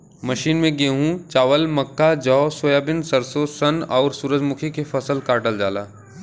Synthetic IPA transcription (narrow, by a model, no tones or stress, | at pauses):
mɐʃiːnmẽɡeːɦũt͡ʃaːʋəlmɐkːad͡ʒɔsoːjaːbɪnsɐɾsoːsɐnɔːɾsuːɾəd͡ʒmʊkʰekefɐsəlkaːʈəld͡ʒaːlaː